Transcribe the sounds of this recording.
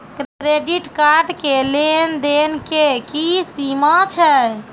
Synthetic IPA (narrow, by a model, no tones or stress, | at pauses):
kɾɾeɖiʈkaɾɖkelend̪enkekisimat͡ʃʰɛ